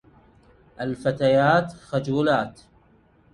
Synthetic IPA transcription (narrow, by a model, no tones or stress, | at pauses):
ʔalfat̪ajaːt̪xad͡ʒuːlaːt̪